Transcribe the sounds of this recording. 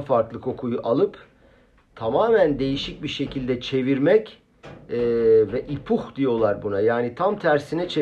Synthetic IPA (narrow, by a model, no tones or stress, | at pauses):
faɾklˠɯkʰo̞kʰujuʔalˠɯp | t̪ʰamaːmænd̪e̞jiʃic̚biɾʃe̞cʰilʲd̪ɛt͡ʃʰe̞viɾmɛcː | vɛʔipʰuxd̪ijo̞lˠaɾbunajaːnit̪ʰamt̪ʰæɾsinɛt͡ʃʰe